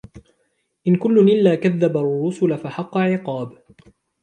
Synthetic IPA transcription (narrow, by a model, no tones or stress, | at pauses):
ʔɪnkʊlːʊnʔɪlːaːkaðːabarˤːʊsʊlafaħɑqːɑʕɪqɑːb